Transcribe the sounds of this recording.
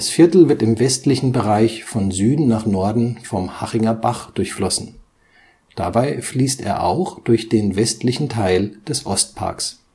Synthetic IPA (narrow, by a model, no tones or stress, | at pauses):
asfɪɐtl̩vɪɐtɪmvɛstlɪçn̩bəʁaɪçfɔnzyːdn̩naːχnɔɐdn̩fɔmhaʁɪŋɐbaχd̥ʊɐçflɔsn̩ | d̥a̰baɪfliːstḛːɐʔa̰ʊxd̥ʊɐçd̥eːnvɛstʰlɪçn̩tʰaɪld̥ɛsʔɔst̚pʰa̰ɐks